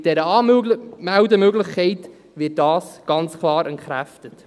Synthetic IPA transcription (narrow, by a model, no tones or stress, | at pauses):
d̥ɛɾəɑːmæwdəmøɡləχkʰɛɪt | ʋɪːt̚d̥ɑːsɡ̥ɑnt͡skʰlɑːɾʔɛntχɾæftət